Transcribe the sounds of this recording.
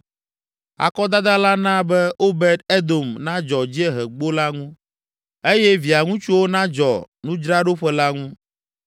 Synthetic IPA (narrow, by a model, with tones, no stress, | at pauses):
a̰˨kɔ˦d̪a˦d̪a˦la˦nã˦bɛ˦o˦bɛ˦d̪e˦d̪o˨mnã˦d͡ʒɔ˨d͡ʑi˦e˦ɦɛ˨ɡ͡bo˦la˦ŋũ˦ | e˦jɛ˦vi˨a˨ŋũ˦t͡ʃu˦wo˦nã˦d͡ʒɔ˨ | nũ˦d͡ʒɾa˦ɖo˦ɸɛ˦la˦ŋũ˦